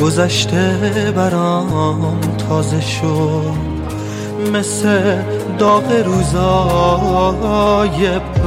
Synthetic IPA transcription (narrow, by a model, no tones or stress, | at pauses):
ɡozæʃt̪ʰebæɾɒnt̪ʰɒːzeʃo | mesed̪ɒːɣeɾuːzɒː | je